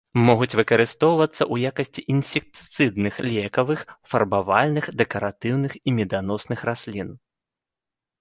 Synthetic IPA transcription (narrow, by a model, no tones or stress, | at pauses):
mɔɣut͡sʲvɨkɐɾɨst̪ɔwvɐt̪sːɐʔujakɐsʲt͡sʲiʔinsʲik̚t̪t̪sɨd̪nɨxlʲɛkɐvɨxfɐrbavalʲnɨxd̪ɛkɐɾat̪ɨwnɨximʲɛd̪anɔsnɨxrasʲlʲin